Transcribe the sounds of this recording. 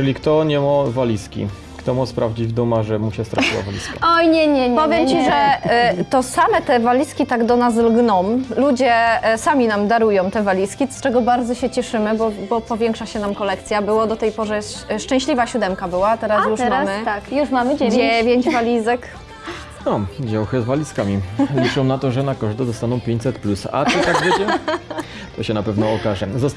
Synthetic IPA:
lʲikt̪ɔɲɛmɔvalʲiskʲḭ | kt̪ɔmɔspɾavd͡ʑid͡ʑvd̪ɔmaʐɛmuɕɛst̪ɾat͡ɕiwa̰valʲiskaɔjɲɛɲɛɲpɔvʲjɛmt͡ɕiʐɛt̪ɔsamɛt̪ɛvalʲiskʲit̪aɡd̪ɔnas̬lɡnɔmlud͡ʑɛsamʲinamd̪aɾujɔ̃w̃t̪ɛvalʲiskʲist͡ʂɛɡɔbaɾd̪zɔɕɛt͡ɕɛʂɘmɘbɔbɔpɔvʲjɛŋkʂaɕɛnamkɔlɛkt̪sʲjabɘwad̪ɔt̪ɛjpɔʐɛʂt͡ʂɛ̃w̃ɕlʲivaɕud̪ɛmkabɘwat̪ɛɾasjuʂmamɘkjuʂmamd͡ʑɛvʲjeɲd͡ʑvalʲizɛk | nɔd͡ʑawxɛzvalʲiskamʲilʲit͡ʂɛw̃nat̪ɔʐɛnakɔʐd̪ɛd̪ɔst̪anɔ̃w̃pʲjeɲt͡ɕʲsɛt̪plusa̰ɔt̪aɡvʲed͡ʑɛ | t̪ɔɕɛnapɛvnɔɔkaʐɛzɔs

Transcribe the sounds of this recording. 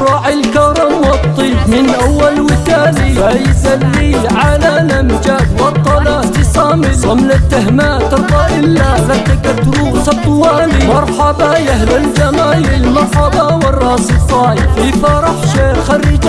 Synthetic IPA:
ɾˤɑʔɪlkɑɾˤɑmwɑt̪ˤːiːbmɪnʔawːalwɪt̪aːliajsalːiː | ʕalalamd͡ʒad̪wɑt̪ˤːɑlat̪ɪsˤɑːmɪsɣamlat̪ːaɦmaːt̪ɑɾd̪ˤɑʔɪlːaðat̪akat̪ɾuːsɑt̪ˤːwaːlimɑɾˤħɑbajahlald͡ʒamaːjɪmɑħɑbawɑrˤːɑːsɨsˤɑːʕɪfiːfɑɾˤɑħʃaxarːɪd͡ʒ

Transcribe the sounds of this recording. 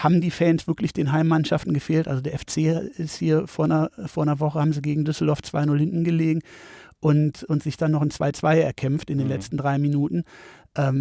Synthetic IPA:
haːbm̩diːfɛːnsv̥ɪɐklɪçd̥eːnɦaɪmːanʃaftn̩ɡəfeːltʔalzodeːɐɛft͡seːɪsthiːɐfoːɐnɐfoːɐnɐvɔχəhaːbm̩ziɡeːɡŋ̩dʏsl̩dɔɐft͡sv̥a̰ɪnʊlhɪnʔn̩ɡəleːɡŋ̩ʔʊntʊntz̥ɪçd̥anːɔχɪnt͡sv̥a̰ɪt͡sv̥aɪɛɐkʰɛmftɪndeːnlɛt͡stn̩dʁaɪminuːtn̩ʔɛːm

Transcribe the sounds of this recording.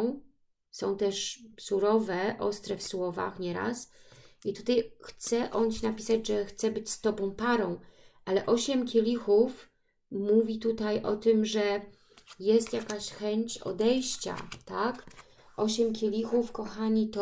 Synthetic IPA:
w̃ | sɔ̃w̃t̪ɛʂsuɾɔvɛʔɔst̪ɾɛfswɔva̰xɲɛɾa̰sit̪ut̪ajxt̪sɛʔɔnt͡ɕinapʲisad͡ʑʐɛxt̪sɛbɘt͡ɕst̪ɔbɔ̃w̃paɾɔ̃w̃ʔalɛʔɔɕɛmkʲelʲixuf | muvʲit̪ut̪ajʔɔt̪ɘmʐɛ | jɛst̪jakaɕxɛɲt͡ɕɔ̰d̪ɛjɕt͡ɕa̰t̪ak | ʔɔɕɛmkʲelʲixufkɔxaɲit̪ɔ

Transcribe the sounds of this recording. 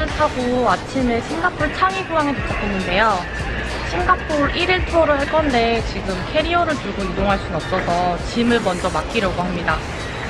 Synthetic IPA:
ɯɭtʰaɡoat͡ɕʰimesʰe̞ŋɡapʰuɭt͡ɕʰaŋiɡuaŋetɯt͈ʰʌp͈onɯnde̞jo | ɕʰiŋɡap͈ʰuɾiɾɯɭtʰoɾɯɦaɭk͈ʌnde̞t͡ɕiɡɯmkʰe̞ɾiʌɾɯɭtuɭɡoidoŋɦaɭs͈unʌp̚s͈ʌsʰʌt͡ɕimɯɭmʌnd͡ʑʌmak͈iɾjaɡoɦamɲida

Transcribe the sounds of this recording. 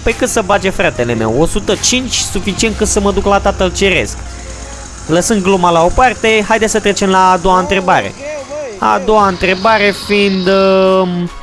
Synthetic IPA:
pekɨt̪səbad͡ʒefɾat̪e̞le̞me̞̰wo̞sut̪ət͡ʃint͡ʃʲsufit͡ʃiet̪̚kɨt̪səməd̪uklat̪at̪əlt͡ʃe̞ɾe̞̰sk | ləsɨnɡ̪̚ɡlumalao̞part̪e̞ɦajd̪esət̪ɾet͡ʃe̞mlaːd̪o̞waɨnt̪ɾe̞baɾe̞̰a̰d̪o̞waɨnt̪ɾe̞baɾe̞find̪

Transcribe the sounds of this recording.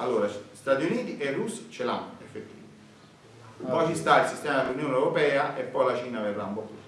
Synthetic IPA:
alːoːɾast̪at̪iuniːt̪iʔerːusːt͡ʃelaefːet̪ːi | ppɔjt͡ʃist̪ailsist̪ɛːmad̪elunjoːnewɾopɛːaʔepːɔjlat͡ʃiːnaːvevɾaumbot̪ːṵːt̪o

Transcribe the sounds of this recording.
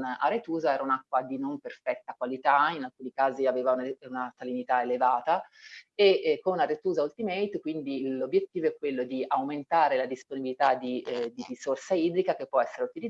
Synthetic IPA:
na̰rɾet̪uːzaɛːɾaunakːwad̪inomperfɛt̪ːakwalit̪ainalkuːnikaːziaveːvaunaunat̪alinit̪aelevaːt̪aekːonarɾet̪uːzault̪imɛjt̪kwind̪ilobːjet̪ːiːvoɛkːwelːod̪iawment̪aːɾelad̪isponibilit̪ad̪id̪irisorsaiːd̪ɾikakepːwɔɛsːeɾeut̪ili

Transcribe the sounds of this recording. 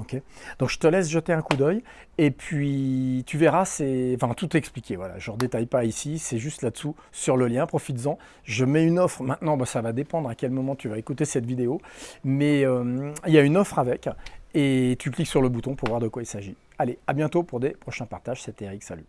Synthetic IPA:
ɔkʲed̪ɔ̃kʒ̥ə̥t̪əlɛsʒət̪eɛ̃kud̪œj | epʰɥit̪yvɛʁasɛɑ̃fɛ̃t̪ut̪ɛksplikʲevwala̰ʒəʁəd̪et̪ajpaisisɛʒyst̪lad̪əsu | syʁləljɛ̃pχɔfit̪zɑ̃ | ʒəmɛynɔfχmɛ̃t̪nɑ̃basavad̪epɑ̃d̪ʁakʲɛlmɔmɑ̃t̪yvaekut̪esɛt̪vid̪eomɛømiljaynɔfχavɛket̪ʰykliksyʁləbut̪ɔ̃puʁvwaʁd̪əkwailsaʒi | aleabjɛ̃t̪opuʁd̪epχɔʃɛ̃paʁt̪aʒ̥sɛt̪eʁiksaly

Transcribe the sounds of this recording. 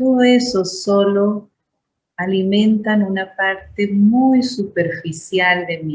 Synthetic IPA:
oðoesosolo | alimẽnt̪anunapaɾt̪emujsupeɾfisjald̪emi

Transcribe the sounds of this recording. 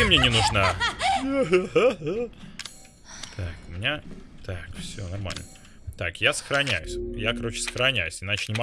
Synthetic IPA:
ɪmnʲenʲɪnʊʐna | t̪ʰakʊmʲɪnʲat̪ʰakfsʲo̞̰nɐrma̰lʲnə | t̪akjasə̥xɾɐnʲæjʊsʲjakɐɾo̞t͡ɕɪ̥sə̥xɾɐnʲæjʉsʲɪnat͡ɕɪnʲɪmɐ

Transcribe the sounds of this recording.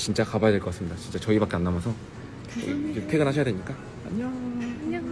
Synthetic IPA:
t͡ɕint͡ɕ͈akabajadek͈ʌk͈asɯmɲidat͡ɕint͡ɕ͈at͡ɕʌibak͈e̞anːamʌsʰʌ | ʌ̰ḭd͡ʑimtpʰeɡɯnɦaɕʰjadweɲik͈a

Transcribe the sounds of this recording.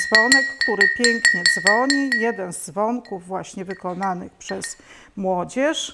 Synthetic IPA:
zvɔnɛkːt̪uɾɘpʲjɛŋkɲɛd̪zvɔɲijɛd̪ɛnzd̪zvɔŋkuvːwaɕɲɛvɘkɔnanɘxpʂɛs | mwɔd͡ʑɛʂ

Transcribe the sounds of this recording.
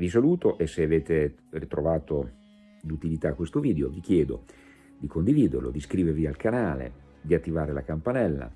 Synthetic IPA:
vis̬aluːt̪oʔesːeaveːt̪e | rit̪ɾovaːt̪o | d̪ut̪ilit̪akːwest̪oviːd̪eovik̟jɛːd̪o̰ | d̪ikʰond̪iviːd̪ḛrlo̰d̪iskɾiːveɾvialkanaːlḛ | d̪iat̪ːivaːɾelakampanɛlːa̰

